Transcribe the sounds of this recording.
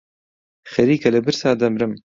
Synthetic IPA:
xɐɾiːkɐlɐbɨɾsaːd̪ɐmɾɨm

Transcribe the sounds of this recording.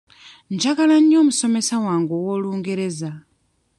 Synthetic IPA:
nd͡ʒakalaniɔmusɔmɛsawaŋɡuwɔluŋɡɛɾɛːza

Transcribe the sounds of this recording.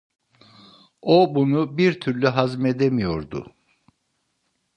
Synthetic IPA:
obunubiɾt̪ʰyɾlʲyɦazmed̪emijo̞ɾd̪ʊ̰

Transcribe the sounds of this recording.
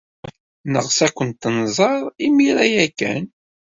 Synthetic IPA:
nəʁsækʷənt̪ːənzˤɑɾˤimiɾæjækːæ̰n

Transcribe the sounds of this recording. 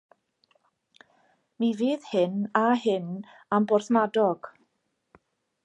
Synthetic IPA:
miviːðhɪnaɦɪn | ambɔrθmadɔɡ̥

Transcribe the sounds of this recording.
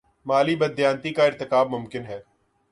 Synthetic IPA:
maːlibɐd̪jãːnt̪ikaɪɾt̪ɪkaːb̚mʊmkɪnɦɛː

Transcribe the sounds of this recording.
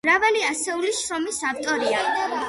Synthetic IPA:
mɾavaliasɛuliʃɾɔmisaft̪ʼɔɾia

